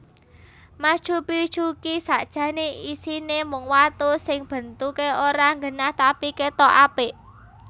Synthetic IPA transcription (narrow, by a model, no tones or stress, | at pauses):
mad̥ʒ̥upid̥ʒ̥ukisaʔd̥ʒ̥ä̤neisinemʊŋwat̪usɪŋb̥ə̤nt̪ukeoɾaŋɡənaht̪apiket̪ɔʔapɪʔ